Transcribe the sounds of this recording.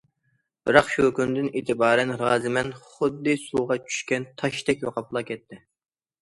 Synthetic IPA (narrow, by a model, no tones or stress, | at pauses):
b̥ɨɾɑqʃukynd̪ɪneːt̪ʰɪbɑːɾɛnɾɑːzɪmɛnχʊd̪ːɨsuʁɑt͡ʃʰy̥ʃkʲɛnt̪ʰɑʃt̪ɛk̚ʲwoqʰɑplˠɑːkʲʰɛt̪ʰːɪ